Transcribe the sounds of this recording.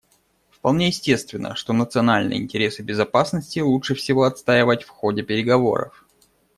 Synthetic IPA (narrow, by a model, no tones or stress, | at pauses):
fpɐlˠnʲejɪsʲtʲe̞st̪vʲɪnːə̰ʂt̪o̞nət̪sɨɐnalʲnɨ̰jəɪ̰nʲtʲɪɾʲe̞sɨbʲɪzɐpasnəsʲtʲɪlˠutʂɨfsʲɪvo̞ɐt̪st̪aɪvətʲfxo̞dʲɪpʲɪɾʲɪɡɐvo̞̰ɾə̰f